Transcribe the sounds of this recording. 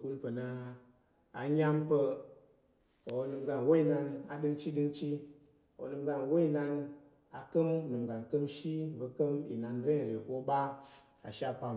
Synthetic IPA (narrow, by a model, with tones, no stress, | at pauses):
ku˧lpə˨na˧ | a˨˧ɲa˦mpə˧ | o˨˧˦nɨ˧mɡa˧n˨wo˦i˨na˧na˨dɨ˧ŋt͡ʃi˦ɗɨ˧ŋt͡ʃi˦˨ | o̰˨nɨ˧mɡa˧nwo˦i˦˨na˧n | a˨kə˦mnɨ˨mɡa˨nkə˦mʃi˦və˧kə˦mḭ˨na˨n˦ɾe˦˨ɾe˨ko˦ɓa˦a̰˨ʃa˦pa˧m